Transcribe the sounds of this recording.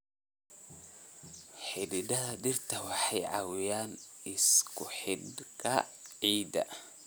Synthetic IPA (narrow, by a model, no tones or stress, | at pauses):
ħɪdɪdɐðɐd̪ɪrt̪ʰɐwɑħɑjʕɑ̰wɪjaːnɪskʰʊħɪd̪kʰɐʕiːd̪ɐ̰